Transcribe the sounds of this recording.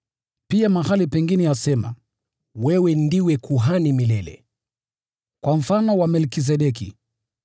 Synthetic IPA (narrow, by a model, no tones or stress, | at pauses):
piamaɦalipɛŋɡinɛjasɛma̰ | wɛwɛndiwɛkuɦanimilɛlɛ̰ | kwam̩fanɔwamɛlkis̬ɛɗɛkḭ